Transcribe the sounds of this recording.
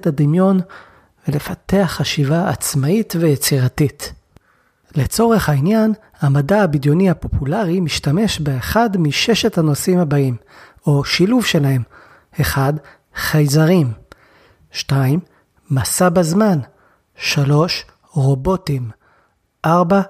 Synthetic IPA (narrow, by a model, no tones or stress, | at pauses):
tad̪imjo̞n | vele̞fate̞aχaʃivaa̰t͡smaitve̞jet͡siʁatit | le̞t͡so̞ʁe̞χhainjan | hamadaabidjo̞nihapo̞pulaʁimiʃtame̞ʃbeːχadmiʃe̞ʃethano̞simhabaim | o̞ʃiluvʃe̞lahe̞m | e̞χad | χajzaʁim | ʃtaimː | asabazman | ʃalo̞ʃ | ʁo̞bo̞tim | ʔaʁba